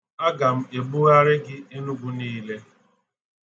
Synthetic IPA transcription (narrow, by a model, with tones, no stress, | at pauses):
a˦ɡa˨m̩˦e˨ɡ͡bu˦ɣa˦ɾɪ˦ɡɪ˦e˦nu˦ɡʷu˦niː˦le˦